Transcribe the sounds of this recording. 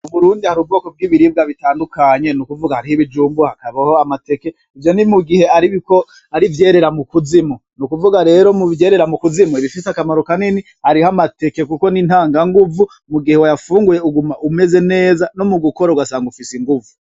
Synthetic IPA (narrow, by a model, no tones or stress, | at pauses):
uβuɾuːndihaɾubɡo̞ːko̞b̚ɡiːβiɾib̚ɡaβitaːndukʰaɲe̞nukuvuɡahaɾihiβid͡ʒuːmbuhakaβaho̞amate̞ke̞ | ivjo̞nimuɡihe̞aɾiβiko | aɾivje̞ːɾe̞ɾamukuzimonukuvuɡaɾe̞ːɾo̞muvje̞ːɾe̞ɾamukuzimoiβifisakamaɾo̞kanini | haɾihamate̞ke̞kuko̞nin̥haːŋɡaŋɡuvu | muɡihe̞wajafuːŋɡuje̞uɡumaume̞ze̞ne̞ːzano̞muɡuko̞ɾauɡasaːŋɡufisiŋɡuvu